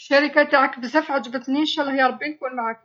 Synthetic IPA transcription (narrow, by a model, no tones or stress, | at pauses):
ʃæɾəkat̪aʕakəbzæfʕad͡ʒ̪bət̪niʃælːɑhjɑɾˤɑbːinkunmaʕak̚